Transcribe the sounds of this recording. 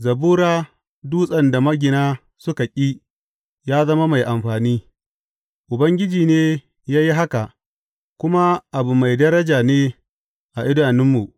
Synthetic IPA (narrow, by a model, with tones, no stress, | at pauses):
zɐ˨buː˦ɾaː˦ | duː˦sʼɐ˨nda˨mɐ˦ɡʲɪ˨naː˦ | sʊ˦ka˨kʲʼiː˦ | jaː˦zɐ˦ma˦ma˨jʔa˨mɸaː˨niː˦ | ʔʊ˨bɐ˦ŋɡʲɪ˦d͡ʒiː˨neː˦ | jaː˦ji˦ɦa˦ka˨ʔ | kʷʊ˦ma˦ʔa˨bu˨ma˨jdɐ˦ɾɐ˦d͡ʒaː˨neː˦ | ʔa˨ʔɪ˦daː˨nɪ˦mːu˨ʔ